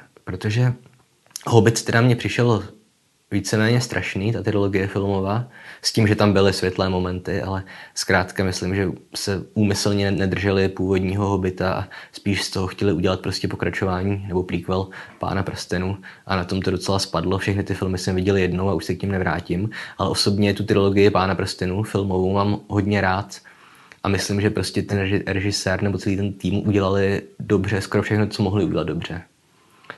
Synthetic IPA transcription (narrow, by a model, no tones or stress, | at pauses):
pɾo̞t̪o̞ʒɛ | ɦobɪt̪t̪ɛɾamɲɛpr̥ɪʃɛl | viːt͡sɛmɛːɲɛst̪ɾʔa̰ʃniːt̪at̪ɛɾoloɡɪjɛfɪlmo̞vaːsciːmʒɛt̪ambɪlɪsvʲjɛt̪lɛːmo̞mɛnt̪ɪʔa̰lɛskɾaːt̪kamɪslimʒɛsɛʔuːmɪsl̩ɲɛnɛd̪r̩ʒɛlɪpuːvodɲiːɦo̞ɦo̞bɪt̪aʔa̰spiːʃst̪o̞ɦoxcɛlɪuɟɛlat̪̚pɾo̞scɛpo̞kɾat͡ʃo̞vaːɲiːnɛbo̞pɾiːkvɛlpa̰ːnapɾst̪ɛnuʔanat̪o̞mt̪o̞do̞t͡sɛlaspadlo̞fʃɛxnɪt̪ɪfɪlmɪsɛmvɪɟɛlɪjɛdno̞waʔuʃsɛkɲɛmnɛvɾa̰ːcɪmʔalɛ̰ʔo̞so̞bɲɛt̪ut̪ɾɪlo̞ɡɪjɪpaːnapɾ̩st̪ɪnufɪlmovowmaːmɦo̞dɲɛɾaːt̪ | ʔamɪslɪmʒɛpɾoscʲɛt̪ɛnɾɛʒɪsɛːɾnɛbo̞t͡sɛliːt̪ɛnt̪iːmuʔuɟɛlalɪdo̞br̝ɛskoɾofʃɛxnot͡so̞moɦlɪuɟɛlad̪̚do̞br̝̥ɛ